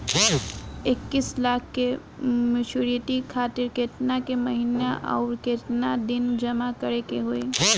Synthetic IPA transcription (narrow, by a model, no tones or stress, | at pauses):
ɪkːɪslaːkʰke | mɪt͡ʃuɾijəʈikʰaːt̪ɪɾket̪nakeməɦinaʔa̰ʊɾket̪nad̪ɪnd͡ʒɐmakəɾekeɦoe